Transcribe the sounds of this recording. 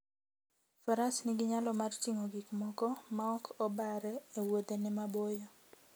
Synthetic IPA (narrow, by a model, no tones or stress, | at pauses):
fɔɾasniɡɪɲalɔmart͡ʃiŋoɡikmɔkɔmaɔkʰɔbaɾɛːwod̪enɪmabojo